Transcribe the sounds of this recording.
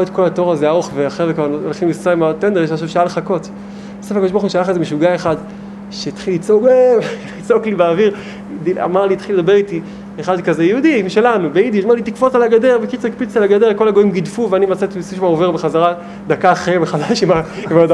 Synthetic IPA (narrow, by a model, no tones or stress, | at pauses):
et̪ko̞lato̞ʁazeaoχveaχevekvaʁolχimliaimat̪end̪eʁʃeaʃ̬avʃealχako̞t | besefeakodoʃbxuʃajaχezemeʃuɡaeχad̪ | ʃet̪χilit͡soɡlit͡so̞klibeaːviʁ | dia̰maʁliːt̪χiled̪abe̞ʁiti | eχadkazejeud̪iimʃe̞lanubeid̪iaʃmaʁlit̪ikfo̞t͡salaɡade̞ʁbekit͡soikpit͡salaɡadeʁko̞laɡo̞imɡidfuveanimat͡satisuʃmaove̞ʁbeχazaʁa | d̪akaχeveχadaʃimaimad